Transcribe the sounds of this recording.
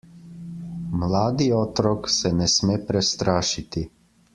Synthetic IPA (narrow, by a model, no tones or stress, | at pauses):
mlaːd̪iɔːt̪ɾɔksɛnɛsmɛːpɾɛst̪ɾaːʃit̪i